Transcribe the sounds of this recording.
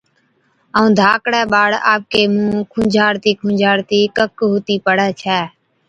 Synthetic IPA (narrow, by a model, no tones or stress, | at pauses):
əũːd̪ʱaːkɽɛːɓaːɽa̰ːp̚keːmũːkʰʊ̃d͡ʒʱaːɽt̪iːkʰʊ̃ːd͡ʒʱaːɽt̪iːkəkɦʊːt̪iːpəɽɛːt͡ʃʰɛː